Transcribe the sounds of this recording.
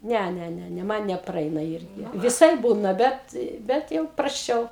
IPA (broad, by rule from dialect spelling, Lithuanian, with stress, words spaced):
ˈnʲɛ ˈnʲɛ ˈnʲɛ ˈmɐn nʲɛprɐˈɛɪnɐ ˈɪrʲɡʲɪ ʋʲɪˈsɐɪp ˈbuːnɐ ˈbʲɛt ˈbʲɛt jɛʊ prɐsʲˈt͡ʃʲɛʊ